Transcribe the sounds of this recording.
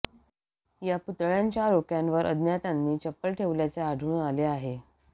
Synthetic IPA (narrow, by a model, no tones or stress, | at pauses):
japut̪ɭjaɲt͡ɕaɾokjãnʋəɾʔə̰d̪njat̪anːiːt͡ɕəpːəlʈʰeʋljat͡seaɽʱuːnaleaɦe